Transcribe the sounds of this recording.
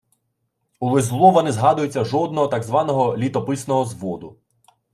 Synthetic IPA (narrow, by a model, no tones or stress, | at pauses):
ulˠɪzlˠɔʋɐnezɦɑd̪ʊjet͡sʲːɐʒɔd̪̚nɔɦɔt̪ɑɡzʋɑnɔɦɔlʲit̪ɔpɪsnɔɦɔzʋɔd̪ʊ